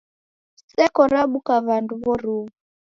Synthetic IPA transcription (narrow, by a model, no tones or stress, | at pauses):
sɛkɔɾaɓukaβanduβɔɾuβu